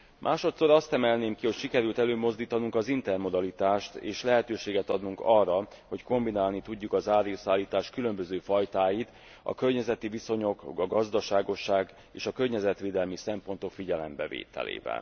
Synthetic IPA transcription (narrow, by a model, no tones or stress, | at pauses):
mʔaːʃo̞t̪so̞ɾɒst̪ɛmɛlneːmkiho̞cʃikɛɾylt̪ɛløːmo̞zd̪iːt̪ɒnuŋkɒzint̪ɛrmo̞d̪ɒlit̪aːʃt̪ḛːʃlɛɦɛt̪øːʃeːɡɛt̪ɒd̪nuŋkɒrːɒho̞cko̞mbinaːlnit̪uɟːukɒzaːɾiosaːlːiːt̪aːʃkylø̞mbøzøːfɒjt̪aːjit̪ | ɒ̰kø̞rɲɛzɛt̪iviso̞ɲo̞kɒɡɒzd̪ɒʃaːɡo̞ʃːaːɡ | ḛːʃɒkørɲɛzɛt̪ʋeːd̪ɛlmisɛmpo̞nt̪o̞kfiɟɛlɛ̰mbɛ̰vḛːt̪ɛ̰lḛːvɛ̰l